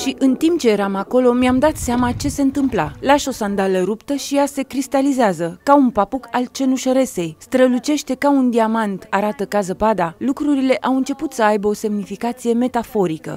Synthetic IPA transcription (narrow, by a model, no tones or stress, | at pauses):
ʃiʔɨnt̪imp̚t͡ʃe̞je̞ɾamako̞lo̞miamd̪at̪seamat͡ʃe̞se̞ɨnt̪ɨmpla̰laʃo̞sand̪aləɾupt̪əʃijase̞kɾist̪alizeazəkaunpapukalt͡ʃe̞nuʃəɾe̞se̞jst̪ɾəlut͡ʃe̞ʃt̪e̞kaund̪iamant̪aɾat̪əkazəpad̪alukɾuɾile̞ʔawɨnt͡ʃe̞put̪səajbəo̞se̞mnifikat̪sije̞me̞t̪afo̞ɾikə̰